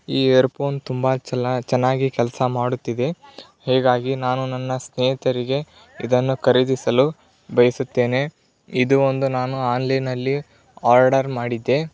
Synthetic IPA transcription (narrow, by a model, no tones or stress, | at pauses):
iːeːɾpo̞ːnt̪umbɐt͡ʃɛnːaːɡikɛlɐsɐmaːɽut̪ːid̪e̞ | hɛːɡaːɡinaːnunɐnːɐsneːit̪ɐɾiɡe̞ | id̪ɐnːukɐɾid̪isɐlu | bɐjɐsut̪ːe̞ːne̞ | id̪uond̪unaːnuaːnlɐjnɐlːi | aːɾɖɐɾmaːɽid̪ːe̞